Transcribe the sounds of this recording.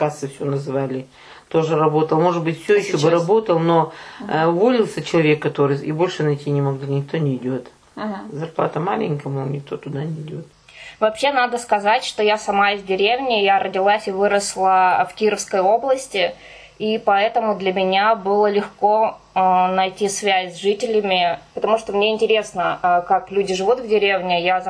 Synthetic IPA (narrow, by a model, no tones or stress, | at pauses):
kasɨfsʲonɐzɨvalʲɪ | t̪o̞ʐɨɾɐbo̞t̪əlˠmo̞ʐɨd̪̚bɨtʲfsʲojɪɕːobɨɾɐbo̞t̪əlˠno̞ | volʲɪlˠsʲət͡ɕɪlˠɐvʲe̞kːɐt̪o̞ɾɨjibo̞lʲʂɨnɐjtʲinʲɪmɐɡlʲinʲɪk̚t̪o̞nʲɪɪdʲo̞t̪ | zɐrplˠat̪əmalʲɪ̰nʲkəmunʲɪk̚t̪o̞t̪ʊd̪anʲɪdʲot̪ | vɐpɕːenad̪əskɐzatʲʂt̪o̞jasɐmaɪzʲdʲɪɾʲevnʲɪjaɾədʲɪlˠasʲɪvɨɾəslˠəfkʲiɾəfskəjo̞blˠəsʲtʲɪ | ipɐɛt̪əmʊd̪lʲəmʲɪnʲabɨlˠəlʲɪxko̞ | nɐjtʲisvʲæsʲzʐɨtʲɪlʲɪmʲɪpət̪ɐmuʂt̪omnʲeɪnʲtʲɪɾʲe̞snəkaklʲudʲɪʐɨvut̪vdʲɪɾʲevnʲɪja